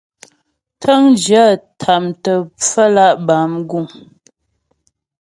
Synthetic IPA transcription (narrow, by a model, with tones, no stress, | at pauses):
tʰə˦ŋd͡ʒa˦˨tʰa˨mtə˨p͡fə˦la˦˨ʔba˨˦mɡu˦˨ŋ